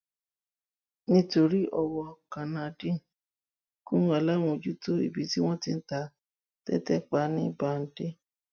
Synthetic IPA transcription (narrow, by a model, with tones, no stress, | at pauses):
nĩ˦to˧ɾi˦ʔɔ˧wɔ˧kã˨nã˨dĩ˦˨ | kũ˦ũ˦a˨la˦w̃ũ˧o˧˨d͡ʒu˦to˦ḭ˨bi˨˦ti˦w̃ɔ̃˦ti˦n̩˦ta˧˦ | tɛ̰˦tɛ˦k͡pa˦nĩ˦ba˨n̩˦de˦